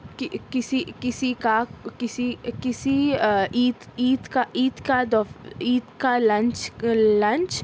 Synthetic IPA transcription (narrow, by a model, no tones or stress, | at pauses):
kɪkɪsikɪsikakɪsikɪsiiːt̪iːt̪kaʔiːt̪kad̪ɔiːt̪kalɐ̃nt͡ʃlɐ̃nt͡ʃ